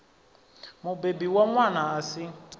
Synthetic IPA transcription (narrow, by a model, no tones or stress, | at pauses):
mʊbebiwamwanaːsɪ